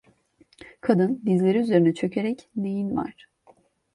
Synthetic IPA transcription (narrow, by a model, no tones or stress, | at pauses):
kʰad̪ɯnb̪izlʲe̞ɾiyze̞ɾinɛt͡ʃʰø̞cʰe̞ɾɛcne̞jinva̰ɾ̥